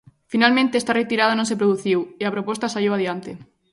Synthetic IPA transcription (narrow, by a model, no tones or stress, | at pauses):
finalmẽnt̪eest̪aret̪iɾað̞ɐnõnsepɾoðuθiweapɾopɔst̪asaʎowaðjant̪e